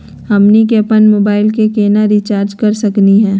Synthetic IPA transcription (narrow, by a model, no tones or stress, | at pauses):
hɐmnik̬eːpənmoːbaːɪlkekeːnaɾit͡ʃaːɾd͡ʒkɐɾsɐkniɦɛ̃ː